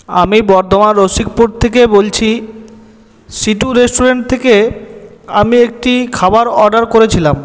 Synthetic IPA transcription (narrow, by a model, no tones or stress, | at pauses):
amibɔɾd̪ʱomanɾosik̚puɾɖ̚t̪ʰekebolt͡ɕʰi | siʈuɾesʈuɾeɳʈ̚t̪ʰeke | amiek̚ʈikʰabaɾɔɾɖaɾkoɾet͡ɕʰilam